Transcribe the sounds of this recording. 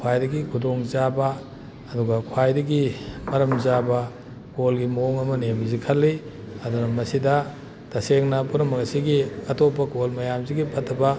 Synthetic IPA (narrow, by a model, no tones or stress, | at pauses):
kʰwajdɐɡikʰudoŋzabɐː | duɡɐkʰwajdɐɡimɐɾɐmzabɐ | kolɡimɐoŋɐmɐnemɐzikʰɐlːi | ɐdunɐmɐsidɐ | tɐseŋnɐpunɐmɐŋɐsiɡiɐtopːɐkolmɐjamziɡipʰɐtʰːɐbɐ